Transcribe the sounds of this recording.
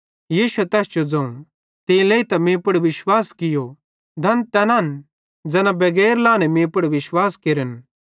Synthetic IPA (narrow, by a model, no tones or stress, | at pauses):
jiːsuɛt̪ɛːst͡ʃod͡zɐũɽ̃ | t̪ĩleːit̪ɐmẽːpəɽʋɪʃwaːskɪjo | d̪ʱɐnt̪ɛnaːn | d͡zɛːnãbɐɡɛːɾlãːnɛmẽːpəɽʋɪʃwaːskeɾən